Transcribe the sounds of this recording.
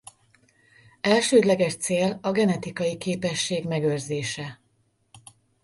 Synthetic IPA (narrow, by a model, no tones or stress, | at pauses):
ɛlʃøːd̪lɛɡɛʃt̪seːlɒɡɛnɛt̪ikɒjikeːpɛʃːeːɡmɛɡørzeːʃɛ